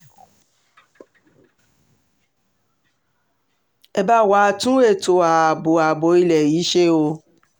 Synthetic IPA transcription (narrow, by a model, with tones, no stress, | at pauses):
ɛ˧ba˦˨wa˨˦tũ˦e˦˨to˨a˨a˨bo˨a˨bo˨˦i˧lɛ˨ji˨˦ʃe˦o˧